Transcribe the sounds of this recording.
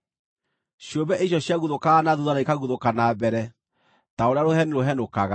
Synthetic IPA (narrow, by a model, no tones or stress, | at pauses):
ɕiombɛʔeɕ̬jɔɕjaɣuðokaːnaðuðanaikaɣuðokanabɛɾɛ | taoɾeaɾohɛneɾoɦɛnokaɣa